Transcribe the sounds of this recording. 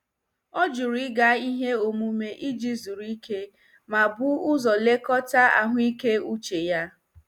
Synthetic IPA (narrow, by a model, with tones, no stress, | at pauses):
ɔ˦d͡ʒu˨ɾi˦ɡa˨˦i˦ɦe˦o˨mu˨me˨ʔi˦d͡ʒi˦zu˨ɾi˦ke˦ | ma˨bʊ˦ʊ˦zɔ˨le˦kɔ˦ta˦a̰˨ɦʷi˦ke˦u˦t͡ʃe˨ja˦